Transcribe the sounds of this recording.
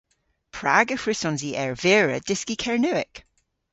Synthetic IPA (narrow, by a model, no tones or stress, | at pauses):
pʰɹ̥aɡəxɹɪsɔnziːʔɛɹveɹə̰d̥ɪskikʰɛɹnʉɪk